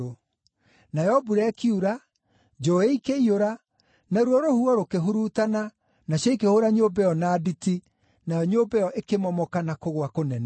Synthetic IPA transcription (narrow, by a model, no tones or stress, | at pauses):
o | najɛɔbuɾɛkiuɾa | d͡ʒoeikeioɾa | naɾwɔɾohuɔɾokeɦuɾutana | naɕɔikehoɾaɲobɛɔnaditi | najɔɲobɛjɔʔekemɔmɔkanakoɣoakonɛna